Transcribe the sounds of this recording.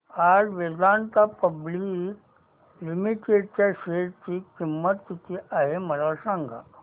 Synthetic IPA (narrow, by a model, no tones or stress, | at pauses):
aɾʋed̪ant̪apəblik | limiʈeɖt͡ɕjaɕeɽt͡ɕiːkimːət̪ːit̪ʰiʔaɦem̤əlasãŋɡʱa̰